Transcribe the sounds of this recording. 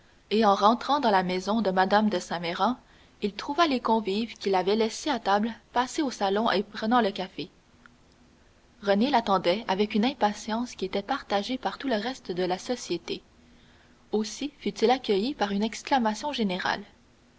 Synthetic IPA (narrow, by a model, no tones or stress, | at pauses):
eɑ̃ʁɑ̃t̪χɑ̃d̪ɑ̃lamɛzɔ̃d̪əmad̪amd̪əsɛ̃mɛʁɑ̃ | ilt̪χuvalekɔ̃vivkʲilavɛlɛseat̪ablpaseosalɔ̃ʔepʁənɑ̃ləkʲafe | ʁənelat̪ɑ̃d̪ɛavɛkynɛ̃pasjɑ̃skʲiet̪ɛpaʁt̪aʒepaʁt̪uləʁɛst̪d̪əlasɔsjet̪e | osifyt̪ilakʲəjipaʁynɛksklamasjɔ̃ʒeneʁa̰l